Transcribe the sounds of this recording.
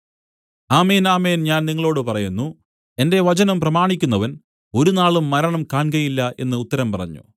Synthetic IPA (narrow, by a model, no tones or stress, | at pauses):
aːmeːnaːmeːnɲaːnniŋːɐɭo̞ːɽɨpɐrɐjunːu | e̞nde̞ʋɐt͡ɕɐnɐmprɐmaːɳikʲːunːɐʋɐn | o̞ɾunaːɭumːɐɾɐɳɐmkaːɳɡɐjilːɐʔe̞̰nːɨːt̪ːɐɾɐmpɐrɐ̰ɲːṵ